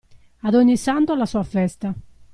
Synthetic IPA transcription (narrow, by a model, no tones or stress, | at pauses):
aðɔɲːisant̪oalasuːafɛst̪a